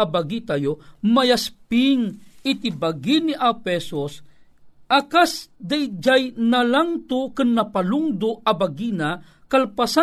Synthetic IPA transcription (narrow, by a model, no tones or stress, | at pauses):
abaɡit̪ajomɐjaspiŋit̪ibaɡiniʔapɛsos | ʔɐkasd̪ajd͡ʒajnɐlaŋt̪okɨnːɐpaluŋd̪oʔɐbaɡina | kalpasa